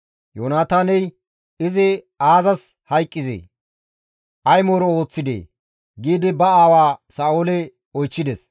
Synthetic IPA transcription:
joːnaːt̪aːnɛj | ɪzɪ | aːzɐs | hɐjkʼːɪzḛː | ʔɐjmoːɾɔo̞ːt͡sːɪd̪ḛː | ɡiːd̪ɪbɐaːwaːsaːʔoːlɛ | ɔjt͡ʃːɪd̪ɛs

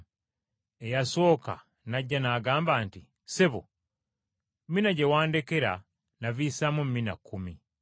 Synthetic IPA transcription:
ejaso̞ːka̰ | naɟːanaːɡaːmbaːnti | seβo̰ | mmːinaɟe̞waːnde̞ke̞ɾa | naviːsamum̩ːinakːumi

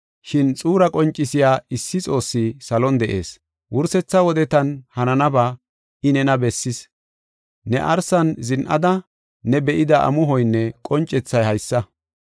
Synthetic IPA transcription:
ʃɪnt͡sʼuːɾɐkʼɔnt͡ʃʼːɪsɪjaːɪsːɪt͡sʼo̞ːsːɪsɐlɔnd̪ɛʔe̞ːs | wʊɾsɛt͡sːɐwɔd̪ɛt̪ɐnhɐnɐnɐba | ɪnɛnɐbɛsːɪs | nɛ̰ʔɐɾsɐnzɪnʔɐ̰d̪ɐː | ɛbɛʔɪd̪ɐʔɐ̰mʊɦɔjnːɛkʼɔnt͡ʃʼːɛt͡sːɐjhɐjsːɐ

